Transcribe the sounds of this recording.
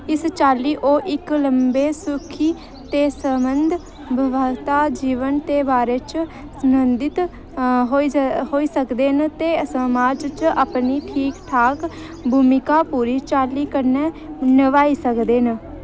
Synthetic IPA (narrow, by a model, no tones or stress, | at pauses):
ɪst͡ʃaːliːʔoːʔɪkləmbeːsʊkʰiː | t̪eːsəmənd̪ʱ | bəʋət̪aːd͡ʒiːʋənt̪eːbaːɾeːt͡ʃ | səmənd̪ɪt̪ | ɦoːiɦoːiːsəkd̪eːnt̪eːsəmaːd͡ʒt͡ʃəpniːʈʰiːkʈʰaːk | bʱuːmɪkaːpuːɾiːt͡ʃaːliːkəɾneː | nəʋaːiːsəkd̪eːnə